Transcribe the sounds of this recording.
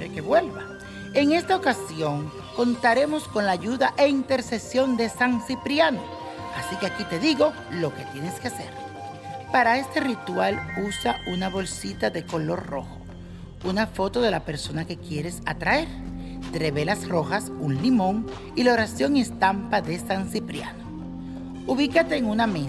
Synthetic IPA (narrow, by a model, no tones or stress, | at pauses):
ɾekeβwe̞lβa | e̞ŋe̞st̪aokasjo̞ŋ | ko̞nt̪aɾe̞mo̞sko̞nlaːʝuðaʔeint̪e̞ɾse̞sjo̞nd̪e̞saŋsipɾjano | asikeakit̪e̞ðiɣo̞ | lo̞ke̞t̪je̞ne̞ske̞ase̞̰ɾ | paɾae̞st̪e̞rit̪walusaunaβo̞lsit̪aðe̞ko̞lo̞rro̞̰xo̞̥ | unafo̞t̪o̞ðe̞lape̞ɾso̞nake̞kje̞ɾe̞sa̰t̪ɾaeɾt̪eɾeβe̞lasro̞xasunlimõ̞ŋ | ilaoɾasjo̞ŋe̞st̪ampaðe̞saŋsipɾja̰no | uβikat̪e̞ːŋuname